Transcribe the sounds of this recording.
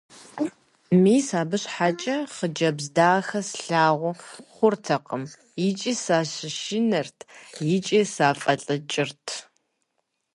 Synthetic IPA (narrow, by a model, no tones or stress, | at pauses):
miːsaːbɨɕħat͡ʃʼɐχəd͡ʒɐbzdaːxɐsɬaːʁʷʊχʷʊrtʰɐqəm | jɪt͡ʃʼiːsaːɕɪʃɪnɐrtʰjɪt͡ʃʼiːsaːfʼɐɬʼɨt͡ʃʼɪrtʰ